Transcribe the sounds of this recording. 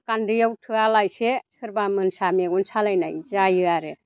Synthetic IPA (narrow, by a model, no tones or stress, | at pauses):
kandɯjawtʰɯalajsesʰɯɾbamɯnsameɡunsalajna̰jzajɯaɾe